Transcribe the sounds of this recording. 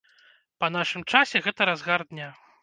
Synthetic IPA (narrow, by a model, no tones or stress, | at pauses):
pɐn̪aʂɨmt͡ʂasʲɛɣɛt̪ɐɾazɣard̪ʲnʲa